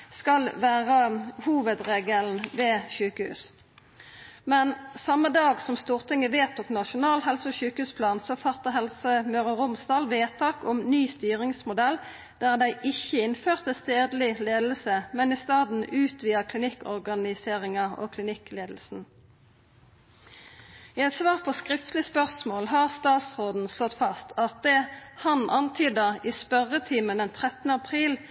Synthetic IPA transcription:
skɑlʋæːʁəhuːʋəd̪ʁeːɡəln̩ʋeːʃʉːkəhʉ̰ːs | mɛnsɑmːəd̪ɑːɡsɔmst̪uːʁt̪ʰɪŋəʋeːt̪ɔknɑʃʊnɑːlɦɛlsəɔçʉːkəhʉːspʰlɑːnsɔfɑt̪əɦɛlsəmøːʁəʁʊmsd̪ɑːlʋeːt̪ʰɑːkɔmnyːst̪yːʁɪŋsmʊd̪ɛl | d̪̥æʁd̪æɪʔɪçːəɪnføːʁt̪əst̪eːd̪l̩ɪleːd̪l̩səmɛniːst̪ɑːd̪n̩ʉːt̪ʰʋiːɑkʰlɪnɪkɔ̰ʁɡɑnɪseːʁɪŋɑo̰kʰlɪnɪkleːd̪l̩sn̩ | iːɛt̪sʋɑːʁpʰɔskʁɪft̪lɪspœʁsmoːlɦɑʁst̪ɑːt̪sʁoːd̪n̩slɔt̪fɑst̪ʰɑt̪̚d̪ɛhɑnʔɑnt̪ʰyːd̪əiːspœʁət̪ʰiːməd̪ɛnt̪ʰʁɛt̪ənəɑpʰʁiːl

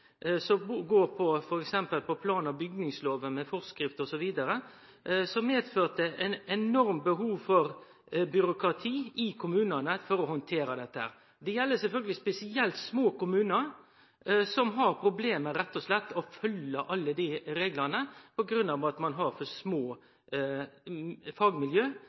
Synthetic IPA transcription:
sɔbuɡoːɾpʰɔfɔɾɛksɛmpəlpɔpʰlɑːnɑʋbʏɡnɪŋsloːʋəmɛfɔɾskɾɪft̪ɔsɔʋiːd̪ɑɾə | sɔmeːd̪føːt̪əɛnɛnɔɾmbəɦuːʋfɔɾ | bʏɾʊkɾɑt̪ʰiːʔɪkʰʊmʉːnənəfɔɾɔhɔnt̪ʰeːɾɑd̪ɛt̪ːəhæ̰ːɾ | d̪ɛjɛlːəsɛlfœlɡəlɪspɛsɪɛlt̪smoːkʊmʉːnəɾ | sɔmɦɑɾpʰɾʊbleːməɾɛt̪ːɔslɛt̪ːɔfœləʔɑlːəd̪ɪɾeːɡlɑnəpɔɡɾʉnːɑʋɑt̪mɑnɦɑɾfɔsmoː | fɑːɡmɪljøː

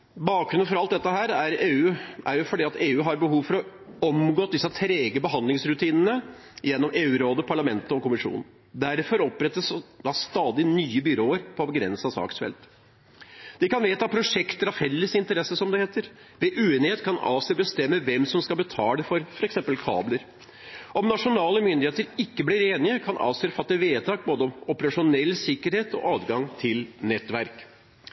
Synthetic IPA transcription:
bɑːkɾʉnənfɔɾɑlt̪̚d̪ɛt̪ːəɦæːɾæɾeːʉːʔæɾjʊfɔɖiːɑt̪eːʉːɦɑɾbəɦuːʋfɔɾɔɔmɡoːt̪̚d̪ɪsːɑt̪ʰɾeːɡəbəɦɑnd̪lɪŋsɾʉt̪ʰiːnənə | jɛnːɔmeːʉːɾoːd̪əpʰɑɭɑmɛnt̪əɔkʊmɪʂṵːnən̩ | d̪æɾfɔɾɔpɾɛt̪ːəsd̪ɑst̪ɑːd̪ɪnyːəbʏɾoːəɾpʰɔbəɡɾɛ̰nsɑsɑ̰ːksfɛ̰lt̪ | d̪̥ɪkɑnʋeːt̪ɑpʰɾʊʂɛkt̪əɾɑfɛlːəsɪnt̪əɾɛsəsɔmd̪ɛheːt̪əɾ | ʋɛʔʉːeːnɪheːt̪kʰɑnɑ̰ːʋsɛbəst̪ɛmːəʋɛmsɔmskɑlbət̪ʰɑːləfɔɾfɔɾɛksɛmpəlkʰɑ̰ːbləɾ | ɔmnɑʂʊnɑːləmʏnd̪ɪheːt̪əɾɪkːəbliːɾeːnɪəkʰɑnʔɑ̰ːʋsʏɾəfɑt̪ːəʋeːt̪ʰɑːk̚boːd̪əɔmʊpəɾɑʂʊnɛlːsɪkːəɾheːt̪ɔ̰ʔɑːd̪ɡɑŋt̪ʰɪlnɛt̪ːʋæɾk

